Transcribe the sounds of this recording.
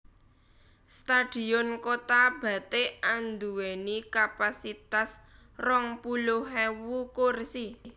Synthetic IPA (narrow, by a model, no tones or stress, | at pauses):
st̪ad̥i̤ɔnkot̪ab̥ä̤t̪eand̪uwenikapasit̪as | rɔŋpuloɦɛwukursi